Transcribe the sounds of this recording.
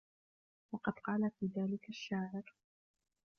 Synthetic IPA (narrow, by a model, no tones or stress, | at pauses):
wɑqɑd̪qɑːlafiːðaːlɪkaʃːaːʕɪɾ